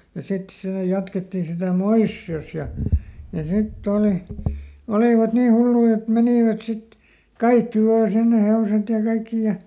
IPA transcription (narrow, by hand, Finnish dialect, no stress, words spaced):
jɑ sit seˑ jɑtketːiˑ sitæˑ moisːios jɑ jɑ sitː oˑli oliˑʋɑt niː hulːui et meniˑʋæt sit kɑikːi ʋɑː sinːe heoset jɑ kɑikːi jɑ